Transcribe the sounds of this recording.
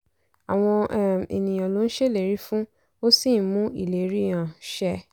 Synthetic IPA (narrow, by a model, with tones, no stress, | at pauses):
a˨w̃ɔ̃˧˦˨ḛ˨nĩ˨j̃ã˨lo˨˦n̩˦ʃe˦˨le˨ɾi˨˦fũ˦ | o˦si˦˨˦mũ˦ḭ˦˨le˨˦ɾi˦˨j̃ã˨ʃɛ˧